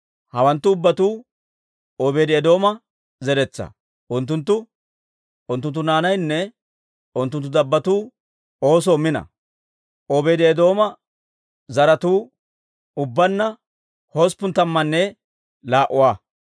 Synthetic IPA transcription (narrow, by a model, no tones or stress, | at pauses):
hɐwɐnt̪ːʊːbːɐt̪uː | oːbeːd̪ɪɛd̪o̞ːmɐ | zɛɾɛt͡sːɐ̰ | ʔʊnt̪̬ːʊnt̪̬ːʊ | ʔʊnt̪ːʊnt̪ːʊnaːnɐjnːɛ | ʊnt̪ːʊnt̪̬ːʊd̪ɐbːɐt̪uː | oːs̬oːmɪnɐ̰ | oːbeːd̪ɪɛd̪o̞ːmɐ | zɐɾɐt̪uː | ʊbːɐnːɐ | hoːspːʊnt̪ɐmːɐnːɛ | laːʔʊwaː